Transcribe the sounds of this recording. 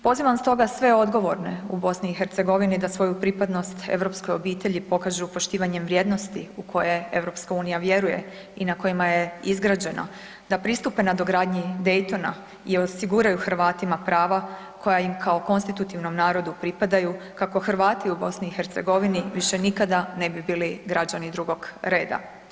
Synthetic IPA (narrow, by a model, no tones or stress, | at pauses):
po̞ziʋamst̪o̞ɡasʋe̞o̞d̪ɡo̞ʋo̞ɾne̞ubo̞sniːxeɾt̪se̞ɡo̞ʋinid̪asʋo̞jupɾipad̪no̞st̪e̞̰ʋɾo̞psko̞jo̞biːt̪e̞ʎipo̞kaʒupo̞ʃt̪iːʋaɲe̞mʋɾje̞ːd̪no̞st̪iukʰo̞je̞e̞̰ʋɾo̞pskauːnijaʋje̞ɾuje̞̰ | inako̞jimaje̞izɡɾad͡ʑe̞na̰ | d̪apɾist̪upenad̪o̞ɡɾaːd̪ɲid̪ejt̪o̞na | io̞siɡuɾajuxrɾʋaːt̪imapɾaːʋa | ko̞jajimkʰao̞ko̞nst̪it̪ut̪iʋno̞mnaːɾo̞d̪upɾipad̪ajukako̞xrɾʋaːt̪iubo̞sniːxeɾt̪se̞̰ɡo̞ʋiniʋiʃe̞nikad̪ane̞bibiːliɡɾad͡ʑanid̪ɾuɡo̞ɡɾe̞ːd̪a̰